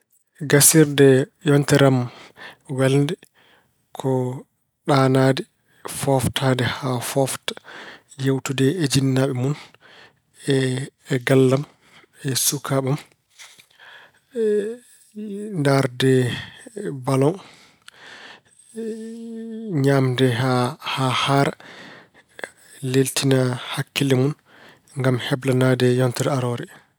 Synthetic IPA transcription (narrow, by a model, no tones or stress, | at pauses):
ɡasiɾdɛjɔntɛɾam | wɛlndɛ | kʰɔ | ɗanadɛ | fɔftʰadɛhafɔftḁ | jewtudɛed͡ʒinːaɓɛmun | ɛɡalːam | ɛsukʰaɓam | ndaɾdɛ | balɔn | ɲamdɛahahaɾ | leltinahakːilɛmun | ŋɡamhɛblanadɛjɔntɛɾaɾɔɾɛ